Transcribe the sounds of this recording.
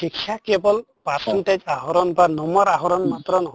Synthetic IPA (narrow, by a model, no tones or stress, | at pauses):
iksʰakɛbɔl | paɾsɔnted͡ʒaɦɔɾɔnbanɔmɔɾaɦɔɾɔnmat̪ɾɔnɔɦ